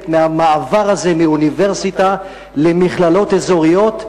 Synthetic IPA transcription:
tmeamaːvaʁaze̞miunive̞ʁsit̪a | le̞miχlalo̞t̪ezo̞ʁijo̞t̪

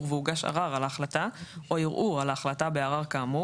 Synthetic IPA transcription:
ʁveuɡaʃa̰ʁaʁalaχlat̪aʔo̞jiʁʔuʁalaːχlat̪abeaʁaʁkaːmu

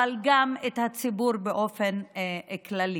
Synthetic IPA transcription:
alɡamet̪hat͡sibuɾbeʔofenklali

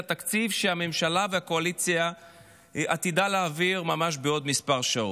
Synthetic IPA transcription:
at̪akt͡sivʃeame̞mʃalaveakoalit͡sja | ʔat̪idaleaviʁmamaʃ̬beo̞d̪mispaʁʃao

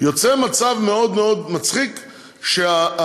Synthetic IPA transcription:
jot͡semat͡savmeo̞d̪meod̪mat͡sχik | ʃea

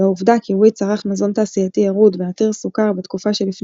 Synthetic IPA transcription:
auvd̪akiwit͡saʁaχmazontaːsijatiaʁudveat̪iʁsukaʁbet̪kufaʃelifn

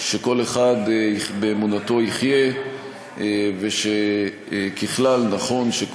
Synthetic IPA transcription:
ʃe̞ko̞leχad̪ibeːmunato̞iχje̞ | veʃe | kiχlalnaχo̞nʃek

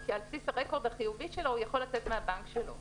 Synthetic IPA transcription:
kialpsisaʁeko̞ʁd̪haχijuviʃe̞lojaχo̞lat͡set̪meabaŋkʃelo̞̰

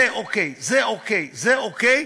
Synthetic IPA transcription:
ɛʔokejzɛokejzɛokej

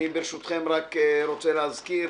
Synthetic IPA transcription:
ibeɾeʃut̪χemʁakːɾot͡seleazki

